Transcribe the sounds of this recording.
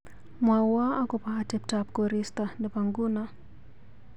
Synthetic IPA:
mawaakɔpahatɛp̚tap̚kɔɾistanɛpaŋɡuna

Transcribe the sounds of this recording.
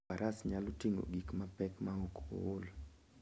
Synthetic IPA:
aɾʔasɲalotiŋɡo̰ɡikmapɛkmaoko̰wolo

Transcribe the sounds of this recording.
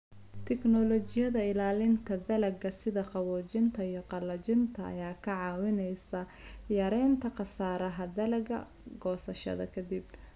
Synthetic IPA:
t̪ʰɛknɔlɔt͡ʃɪjɐðɐɪlaːlɪnt̪ʰɐd̪ɐlɐɡɐsɪðɐqɑwɔːt͡ʃɪnt̪ʰɐijɔqɑlɐt͡ʃɪnt̪ʰɐ̰ːjaːkʰɐʕɑːwɪnɛjsɐ | jɐɾɛjnt̪ʰɐqɑsaːɾɐɦɐd̪ɐlɐɡɐ̰ | ɡɔːsɐʃɐ̰ðɐ̰kʰɐd̪ib

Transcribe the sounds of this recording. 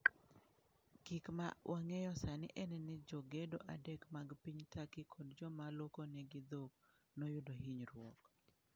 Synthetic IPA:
kikma̰wʔaŋɛjɔsanɪʔɛnɛnɪd͡ʒoɡedoʔadɛkmaɡpiɲtakɪkʰodd͡ʒɔmalokonɛɡɪd̪ok | nojʊdoɦiɲɾwɔk

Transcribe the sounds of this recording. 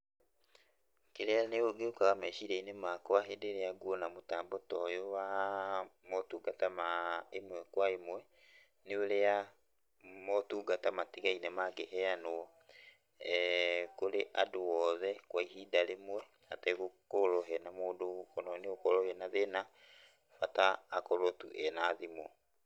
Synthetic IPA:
keɾeaneoɡeokaɣamɛʃiɾɛinemakowaɦedeɾeaɡwɔnamotaːmbotɔjowa | motuːɡatamaemwɛkwaemwɛ | neoɾea | mɔtuːɡatamateɣainɛmaɡehɛanoɔ | koɾeʔadowɔðɛkwaiɦiːdalemwɛ | atɛkokoɾɔɦɛnamoːdokɔnɔneokɔɾɔhɛnaðena | fataːkɔɾɔtṵʔɛnaðimɔ

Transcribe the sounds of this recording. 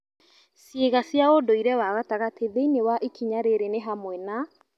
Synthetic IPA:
seɣasjaodoiɾɛwaɣataɣatʰeðeinewaʔikʰiɲaɾeɾeneɦamwɛna

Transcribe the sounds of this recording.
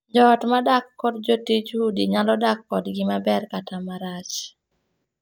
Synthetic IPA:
d͡ʒɔtmadakːɔdd͡ʒotit͡ʃhudiɲalɔdakːɔdɡɪmabɛrkatamaɾat͡ʃ

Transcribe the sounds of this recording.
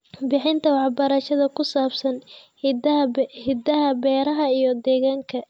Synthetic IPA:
bɪħɪnt̪ʰɐwɑħbɐɾɐʃɐðɐkʰʊsaːbsɐn | hɪd̪ɐɦɐbɛːɾɐɦɐijɞd̪ɛːɣaːŋkʰɐ

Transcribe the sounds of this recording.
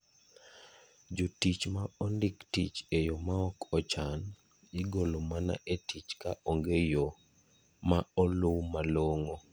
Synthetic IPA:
d͡ʒotit͡ʃmaɔndiktit͡ʃejomaɔkʰɔt͡ʃan | ɪɡolomana̰ʔetit͡ʃka̰ʔoŋɡejo | maɔlʊwmaloŋo

